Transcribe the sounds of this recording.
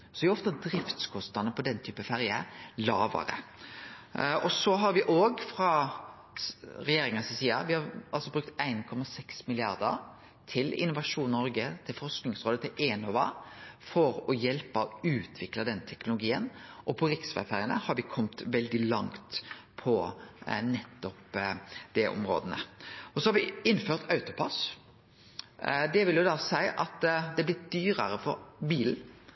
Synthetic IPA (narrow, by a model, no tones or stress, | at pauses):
sɔd̪ɛɔft̪ɑd̪ɾɪft̪skʰɔst̪nɑd̪nəpʰɔd̪ɛnt̪ʰyːpəfæɾjəlɑːʋə̰ɾə̰ | ɔsɔɦɑɾʋɪʔoːɡfɾɑ | ɾɛjeːɾɪŋənsɪsiːɑ̰ʋɪhɑɾɑlsɔbɾʉk̚t̪æɪnkʰɔmɑsɛksmɪlɪɑɾd̪ə̰ɾ | t̪ʰɪlɪ̰nːʊʋɑʂuːnnɔɾɡət̪ʰɪlfɔɾsknɪŋsʁoːd̪ət̪ʰɪlʔeːnɔʋɑ̰fɔɾɔjɛlpəɔʉːt̪ʰʋɪkləd̪ɛnt̪ʰɛknʊlʊɡiːənʔɔpʰɔɾɪksfæ̰fæːɾɪənə̰hɑɾʋɪkʰɔmt̪ʋɛld̪ɪlɑŋt̪pʰɔ | nɛt̪ːɔpd̪̥ɛʔʊ̰mɾo̰ːd̪ənə̰ɔsɔhɑɾʋɪɪnføːʁt̪ɑʉt̪ʊpʰɑs | d̪ɛʋɪljʊd̪ɑsæɪʔɑt̪d̪ɛblɪt̪̚d̪yːɾəɾəfɔɾbiːln̩